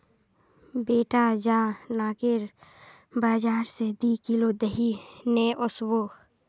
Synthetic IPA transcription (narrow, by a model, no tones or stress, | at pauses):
beːʈad͡ʒãːnaːkɪɾ | baːd͡ʒaːɾsed̪ikilod̪əɦineːʔoswoː